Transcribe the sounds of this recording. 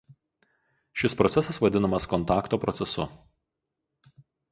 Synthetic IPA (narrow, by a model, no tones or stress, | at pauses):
ʃʲɪspɾɔt̪sʲɛsɐsʋɐd̪ʲɪnɐmɐskɔnt̪ɑːkt̪oːpɾɔt̪sʲɛsʊ̰